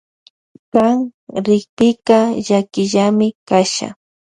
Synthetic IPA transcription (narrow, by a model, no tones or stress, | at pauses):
kaŋɾɪk̚pɪkaʒakɪʒamɪkaʃa̰